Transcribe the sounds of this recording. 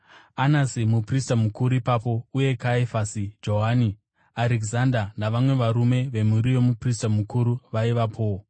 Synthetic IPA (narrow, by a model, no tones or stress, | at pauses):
anasimupristamukuɾuipapo̞uje̞kaefasid͡ʒo̞ɦani | aɾeɡzandanaʋamwe̞ʋaɾume̞ʋe̞muɾiʋo̞mupristamukuɾuʋaiʋapʰo̞